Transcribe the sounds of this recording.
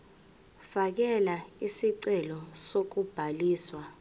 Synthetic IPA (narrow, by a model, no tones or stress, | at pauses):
fak̬ɛlaisiǀɛlɔsok̬ub̥ʱaliːswa